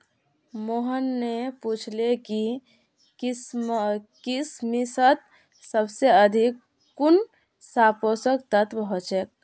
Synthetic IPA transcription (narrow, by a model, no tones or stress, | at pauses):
moɦənːeput͡ʃʰleki | kismisət̪̚ | səbseəd̪ʱikː | un | saposək̚t̪ət̪bʱɦot͡ʃek̚